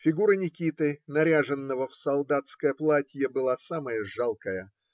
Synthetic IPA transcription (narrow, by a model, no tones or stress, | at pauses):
fʲɪɡuɾənʲɪkʲit̪ɨnɐɾʲaʐɨnːəvəfsɐlˠd̪at̪skəjəplˠatʲjəbɨlˠasaməjəʐalˠkəjə